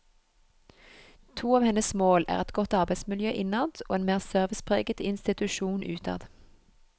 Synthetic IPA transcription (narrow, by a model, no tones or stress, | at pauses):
t̪ʰuːɑːʋhɛnəsmoːlæ̰ːʁɛt̪ɡɔt̪ɑʁbæɪsmɪljøːʔɪnɑt̪o̰ːeːnmeːʁsœʁʋɪspʰʁḛːɡət̪ɪnst̪ɪt̪ʉʃuːnʉːt̪ʰɑ̰ːd̪